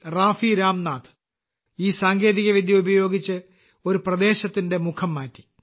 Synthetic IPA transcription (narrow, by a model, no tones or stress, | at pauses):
raːfiɾaːmnaːt̪ʰɨ̥ | iːsaːŋɡe̞ːðiɣɐʋid̪ʱjɐubɐjo̞ːɡit͡ɕːɨ | o̞ɾuprɐd̪e̞ːɕɐt̪ːinde̞mukʰɐmːaːtːi̥